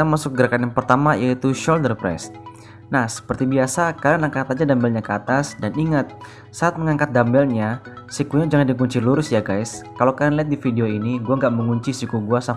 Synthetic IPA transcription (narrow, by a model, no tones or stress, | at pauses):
amasʊk̚ɡəɾakanjaŋpərt̪amaijait̪uʃɔldərpɾɛ̰s | nahsə̥pərt̪ibiasakadanaŋkat̪ad͡ʒadambɛlɲakəat̪asdaniŋat̪̚ | saːt̪̚məŋaŋkat̪̚dambɛlɲasikuɲad͡ʒaŋandikuɲt͡ʃiluɾʊsjaɡajskalokaɾanliat̪̚difideoiniɡuaŋɡaʔməŋuɲt͡ʃisikuɡuasa